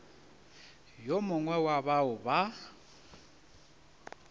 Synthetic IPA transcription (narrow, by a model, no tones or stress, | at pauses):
jomʊŋwɛwaβaʊβa